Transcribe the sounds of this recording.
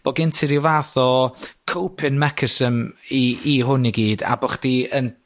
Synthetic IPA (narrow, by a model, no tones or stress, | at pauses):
b̥ɔɡɪntʰɪɾiwvaθɔkʰowpʰɪnmɛkʰəsəmiiɦʊniɡiːda̰bɔχd̥iən